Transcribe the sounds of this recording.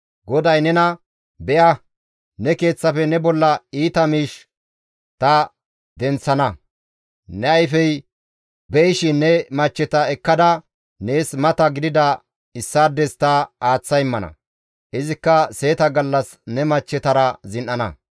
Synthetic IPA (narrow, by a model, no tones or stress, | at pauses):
ɡɔd̪ɐjnɛnɐ | bɛʔɐ | nɛke̞ːt͡sːɐfɛnɛbɔlːɐiːt̪ɐmiːʃ | t̪ɐ | d̪ɛnt͡sːɐnɐ | nɛɐjfɛj | bɛɪʃɪnːɛmɐt͡ʃːɛt̪ɐɛkːɐd̪ɐ | ne̞ːsmɐt̪ɐɡɪd̪ɪd̪ɐ | ɪsːaːd̪ɛst̪ɐaːt͡sːɐjɪmːɐnɐ̰ | ʔɪzɪkːɐse̞ːt̪ɐɡɐlːɐs | nɛmɐt͡ʃːɛt̪ɐɾɐzɪnʔːɐnɐ̰